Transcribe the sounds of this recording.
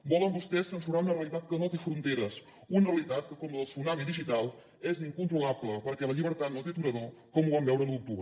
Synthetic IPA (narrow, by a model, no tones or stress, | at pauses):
bɔləmbust̪ɛsːənsuɾaunəreəlˠit̪at̪kənot̪efɾunt̪eɾəs | unəreəlit̪at̪kəkɔməðəlˠsunamiðiʒit̪alˠ | eziŋkunt̪ɾulabləpəɾkɛləʎiβ̞əɾt̪at̪not̪et̪uɾəðo | kɔmuβambɛwɾənuk̚t̪uβɾə